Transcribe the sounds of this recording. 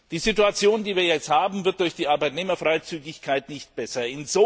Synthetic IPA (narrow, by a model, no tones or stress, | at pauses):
d̥iːzituat͡sjoːndiːviːɐjɛt͡sthaːbm̩vɪt̚d̥ʊɐçd̥iːʔaɐbaɪtneːmɐfʁ̥aɪt͡syːɡɪçkʰaɪtnɪçt̚b̥ɛsɐɪnzoː